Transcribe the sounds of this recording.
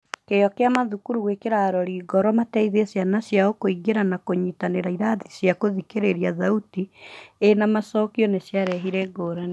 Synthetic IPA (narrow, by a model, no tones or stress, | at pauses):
kejɔkeamaðukuɾuwekeɾaɾɔɾiːɡɔɾɔmatɛiðesjanasjaokoiɡeɾanakoɲitaneɾaiɾaðisjakoðikeɾeɾijaðautienamasɔːkiɔnesjaɾɛɦiɾɛɡoːɾane